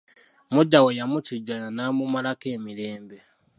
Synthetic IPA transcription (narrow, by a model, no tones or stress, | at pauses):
muɟawejamuciɟajanamumalakeːmiɾeːmbe